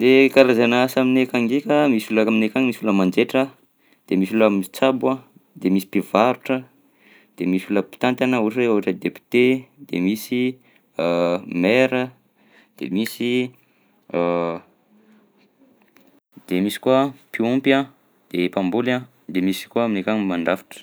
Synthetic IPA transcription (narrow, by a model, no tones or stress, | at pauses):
d̪ekaɾazanasaminekaŋɡekʲəmisulakaminekaŋmisuləmand͡ʒeʈ͡ʂə | d̪̥emisulamit͡sabuã | d̪̥emisi̥pivaɾuʈ͡ʂə | d̪̥emisuləpi̥t̪ant̪anəuʈ͡ʂieoɦaʈ͡ʂəd̪epi̥t̪ed̪̥ḛmisi | meɾə | d̪̥ḛmisi | d̪̥emisi̥kuapiumpa | d̪̥epambula | d̪emisi̥kuaminekʲaɲmaɳɖ͡ʐafi̥ʈ͡ʂə̥